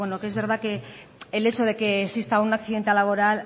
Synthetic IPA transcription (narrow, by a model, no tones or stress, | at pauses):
wenokee̞zβe̞ɾð̞ake̞ː | le̞t͡ʃo̞ðe̞ke̞ːksist̪aunakθiðe̞nt̪elaβ̞o̞ɾal